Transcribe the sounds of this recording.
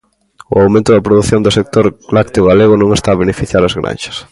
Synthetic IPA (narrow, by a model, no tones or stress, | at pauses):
ʊ̰awmẽnt̪ʊðɐpɾoðuθjond̪ʊsek̚t̪oɾlak̚t̪ioɣaleɣʊnõŋest̪aːβ̞enefiθjaɾɐzɣɾã̰nʃɐ̥s